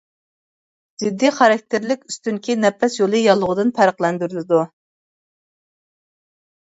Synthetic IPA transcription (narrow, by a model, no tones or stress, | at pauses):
z̥ɪd̪ːiχɑɾɑk̚ʲt̪ʰɪɾlɪkʲyst̪yŋkʲinɛpʰːɛsjolˠɨjɑlˠːʊʁʊd̪ɨnpʰæɾəqlˠɛnd̪yɾylɪd̪u